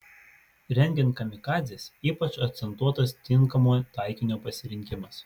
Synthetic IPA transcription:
ɾʲɛŋʲɡʲɪnˑkɐmʲɪkɑːzʲɪsiːpɐt͡ʃɐk̚t̪sʲɛnt̪uɔt̪ɐst̪ʲɪŋˑkɐmoːjt̪ɑˑɪkʲɪnʲoːpɐsʲɪɾʲɪŋʲkʲɪmɐs

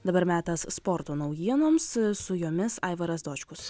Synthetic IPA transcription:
d̪ɐbɐɾmʲæːt̪ɐsspɔɾt̪oːnɐʊjiɛnoːmssʊjoːmʲɪsɐɪʋɐɾɐsd̪oːt͡ʃʲkʊs

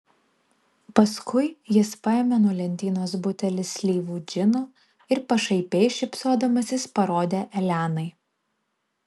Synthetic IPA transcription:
pɐskʰʊɪjɪspɐɛmʲɛːnɔːlʲɛnʲt̪ʲiːnoːsbʊt̪ʲɛlʲɪsʲlʲiːʋuːd͡ʒʲɪnoː | ɪɾpɐʃɐɪpʲɛɪʃʲɪpʲsoːd̪ɐmɐsʲɪspɐɾoːd̪ʲeːʔɛlʲæːnɐɪ

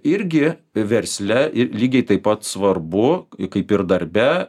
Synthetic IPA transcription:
ɪɾʲɡʲɪʋʲɛɾʲsʲlʲɛɪlʲiːɡʲɛɪt̪ɐɪpːɐt̪sʋɐrbʊkɐɪpɪɾd̪ɐɾʲbʲɛ

